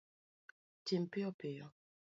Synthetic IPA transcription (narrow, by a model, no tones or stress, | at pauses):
timpiɔpejɔ